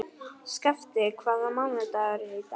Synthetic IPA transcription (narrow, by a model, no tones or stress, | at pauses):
skaft̪ɪkʰvaːðamanɛt̪aɛɾhejt̪a